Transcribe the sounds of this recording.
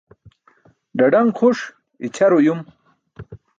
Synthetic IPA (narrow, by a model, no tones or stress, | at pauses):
ɖɐɖɐŋɡχʰuʂ | it͡ɕʰɐɾojum